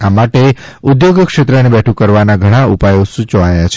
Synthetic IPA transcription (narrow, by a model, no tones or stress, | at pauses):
amaʈe | ud̪joɡkʃet̪ɾənebɛʈʰũkəɾʋanaɡʱəɽ̃aupajosut͡ʃəajat͡ʃʰe